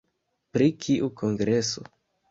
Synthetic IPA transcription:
pɾikʰiʔukʰoŋɡɾeso̰

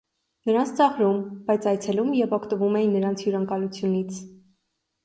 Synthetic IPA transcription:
nəɾɑnt͡sʰt͡sɑʁɾumb̥ɑjt͡sʰɑjt͡sʰɛlumjɛvɔkʰt̪əvumɛjinːəɾɑnt͡sʰjuɾɑŋkɑlut͡sʰjunit͡sʰ

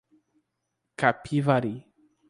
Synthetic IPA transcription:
kapʰivaɾi

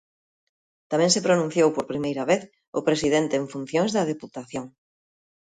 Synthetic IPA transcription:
t̪amɛ̃ŋsepɾonũn̟θjowpoɾpɾimejɾɐβeθ | ʊpɾesiðent̪eːɱfun̟θjoŋzðɐð̞eput̪aθjoŋ

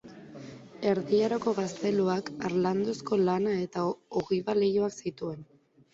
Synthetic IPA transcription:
e̞ɾðiaɾoko̞ɣast̪e̞luakaɾland̪o̞sko̞lanae̞t̪aoɣiβale̞joaksit̪ue̞n

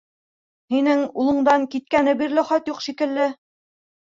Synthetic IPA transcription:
hinɘŋulˠɤ̆ɴd̪ɑŋkit̪̚kænɘbiɾlɘχɑt̪juqʃikɘ̆lːɘ

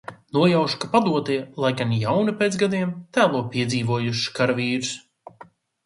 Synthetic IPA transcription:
nuɔjawʃkapad̪uɔt̪iɛlˠajɡanjawnipet̪zɡad̪iɛmt̪æːlˠuɔpiɛd̪ziːvuɔjuʃkaɾviːɾs

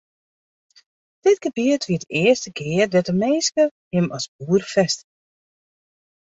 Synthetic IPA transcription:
d̥ɪtɡəbiətʋiədəɪərstəkɪːərdɛtəmeːskə | hɪmɑsbuːərfɛst

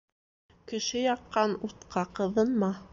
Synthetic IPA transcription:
kɘ̆ʃɘjɑqːɑnut̪qʰɑqɤ̆ðɤ̆nmɑ

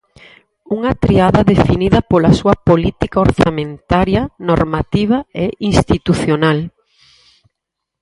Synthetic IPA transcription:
uŋɐt̪ɾiaðɐðefiniðɐpolasuɐpolit̪ikaoɾθamẽnt̪aɾjɐnoɾmat̪iβ̞ɐeʔinst̪it̪uθjonal

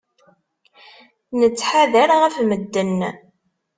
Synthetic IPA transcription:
nət͡sːħaðæɾʁæfməd̪ːən

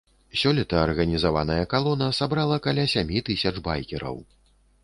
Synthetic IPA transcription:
sʲɔlʲɛt̪ɐːrɣɐnʲizava̰nɐjɐkalˠɔnɐsabɾalˠɐkalʲasʲamʲit̪ɨsʲɐt͡ʂba̰jkʲɛɾɐ̰w

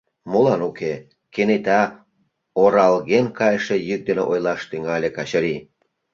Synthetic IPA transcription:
molɑnuke | kenet̪ɑ | oɾɑlɣenkɑjʃejyk̚d̪eneʔojlɑʃt̪yŋɑlʲekɑɕəɾi

